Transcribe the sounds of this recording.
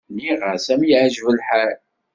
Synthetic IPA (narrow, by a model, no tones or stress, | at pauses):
niʁəɾsæmjʕʒvəlħaɾ